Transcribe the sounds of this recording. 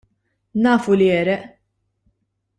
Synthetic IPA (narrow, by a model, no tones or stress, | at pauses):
nɐːfuliɛːɾɛʔ